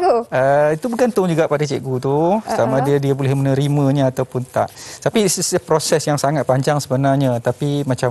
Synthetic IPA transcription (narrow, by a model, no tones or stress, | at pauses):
əit̪ubukant̪ʊŋd͡ʒuɡaʔpadat͡ʃɛʔɡut̪usamãdadiabolɛhmənəɾimə̃ɲaat̪awpʊnt̪a̰ʔt̪apisspɾosɛsjaŋsaŋat̪̚paɲd͡ʒaŋsəbənarɲãt̪apimãt͡ʃam